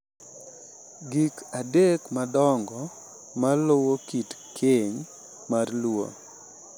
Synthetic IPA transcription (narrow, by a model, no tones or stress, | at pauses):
ɡikadekmadɔŋɡɔ | malowokitkʰeɲ | marlwo̰